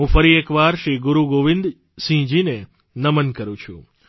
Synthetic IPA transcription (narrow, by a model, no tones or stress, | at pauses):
ũfəɾiekʋaɾʃɾiɡuɾuɡoʋɪ̃nd̪ | sĩd͡ʒine | nəmənkəɾũt͡ʃʰṵ̃